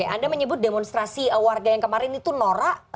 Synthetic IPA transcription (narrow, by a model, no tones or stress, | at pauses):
aʔa̰ndaməɲəbʊt̪̚demɔnst̪ɾasiəwarɡajaŋkəmaɾɪnit̪unoɾaʔ